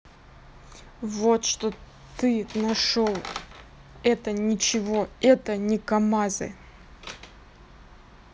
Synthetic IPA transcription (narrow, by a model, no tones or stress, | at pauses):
vo̞t̪ʂt̪o | t̪ɨnɐʂolˠ | ɛt̪ənʲɪt͡ɕɪvo̞ɛt̪ənʲɪkɐmazɨ̰